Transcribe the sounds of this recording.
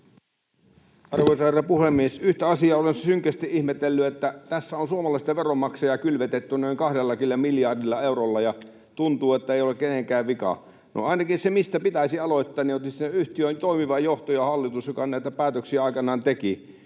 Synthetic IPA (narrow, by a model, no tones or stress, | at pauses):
ɑrʋoisɑɑrɑpuhemːiesyht̪æɑsiɑolenssyŋkˑæst̪iʔihmet̪elːyet̪ːæt̪æsːæonsuomɑlɑˑist̪ɑʋeromːɑksejɑkylʋet̪et̪ːynoiŋkɑhdelːɑkilːɑmiljɑrdilːɑeurolːɑjɑ | t̪unt̪uːet̪ːæeˑiolekːeneŋkæːʋʋikɑ̰ | no̰ɑˑinɑkinsemist̪æpit̪æisiɑloit̪ːɑːniot̪isineyht̪iønt̪oimiʋɑjoht̪ojɑhɑlːit̪usjokɑnæˑit̪æpæːt̪øksiæɑˑikɑnɑːnt̪eki